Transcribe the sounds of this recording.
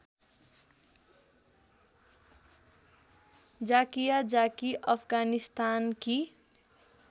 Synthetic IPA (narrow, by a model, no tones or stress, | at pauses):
d͡ʒaːkijad͡ʒaːkiʔəpʰɡaːnist̪aːnki